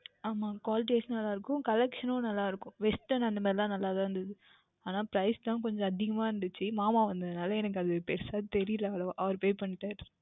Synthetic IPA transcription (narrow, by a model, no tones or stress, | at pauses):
aːmaːkʋaːlʈ̬eːsnɐlːaːɪɾɯkːʊ̃kɐlɛkʂɐnõnɐlːaːɪɾɯkːʊ̃ʋɛsʈːɐnɐnd̪ɐmaːðɪlãːnɐlːaːt̪ãːɾɐnd̪ɐðɯ | aːnaːpɪɾɐɪst̪ãːkɔɲd͡ʒɔ̃ɐðɪɣɐmaːɪɾɯnd̪ɯt͡ʃːɯmaːmaːʋɐnd̪ɐðɯnaːlɐɛnɐk̬ːɯɐðɯpɛɾsaːðt̪ɛɾɪlɐloʔɐʋɐɾpoːjpɐɳːɪʈːaːɾ